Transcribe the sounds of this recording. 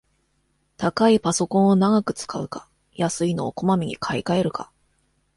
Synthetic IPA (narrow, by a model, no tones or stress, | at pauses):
t̪akaipaso̞kõɰ̃onaɡakɯ̟̥t͡sɨ̥kaɯ̟kḁ | jasɨino̞ːko̞mamʲiɲ̟ḭkʰaikae̞ɾɯ̟ka